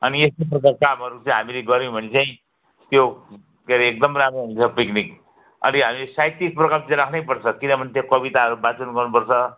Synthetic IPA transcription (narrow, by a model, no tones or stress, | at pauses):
ʌniestoprʌkarkamɦʌɾut͡saj̃ɦamileɡʌɾĩbʱʌnet͡saĩ | t̪jo | keɾeek̚d̪ʌmramoɦũt͡sʰʌpiknik | ʌ̰niɦamilesajt̪ik̚prʌkamt͡sãɾakʰnʌjpʌrt͡sʰʌkinʌbʱʌnet̪jokʌbit̪aɦʌɾubat͡sʌnɡʌrnupʌrt͡sʰʌ